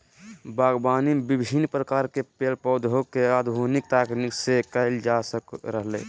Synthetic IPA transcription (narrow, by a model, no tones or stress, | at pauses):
baːɡbaːnibɪbʱinpɾəkaːɾkepelpɔːd̪ɦokeaːd̪bʱonɪk̚t̪aːkniksekəɪld͡ʒasəkɾəɦlḛː